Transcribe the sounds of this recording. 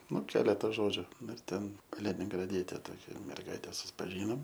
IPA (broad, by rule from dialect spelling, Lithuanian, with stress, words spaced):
ˈnʊ ˈkʲæːlʲɛtɐ ˈʒoːd͡ʒʲʊ ˈnʊ ɪr ˈtʲɛn kɐlʲɪnʲɪŋɡrɐˈdʲiɛtʲɛ toːˈkʲɛ mʲɛrˈɡɐɪtʲɛ sʊspɐˈʒʲiːnoːm